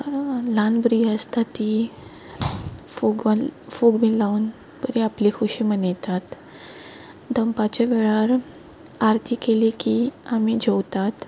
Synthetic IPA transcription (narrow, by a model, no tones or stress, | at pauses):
lanbɾiəst̪at̪i | foɡafuɡmilaun | pəɾiaplikʰuɕimənjt̪at̪ | d̪əmpat͡ɕaʋeɭaɾ | aɾt̪ʰiːkelikiamid͡ʑowt̪at̪